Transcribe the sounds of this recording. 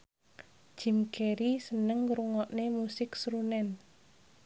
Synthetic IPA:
d̥ʒ̥i̤mkeɾisənəŋɾuŋɔʔnemusɪksɾunɛn

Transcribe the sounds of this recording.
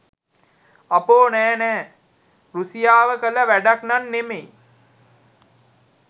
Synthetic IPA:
apoːnɛːnɛː | ɾusijaːʋəkələʋæɖaknanːemej

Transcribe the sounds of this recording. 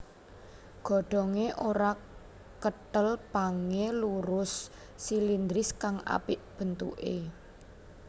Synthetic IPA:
ɡ̥ɔ̤ɖ̥ɔ̤ŋeʔoɾa | kəʈəlpaŋeluɾʊsː | ilind̪ɾɪskaŋa̰pɪʔb̥ə̤nt̪ṵʔe

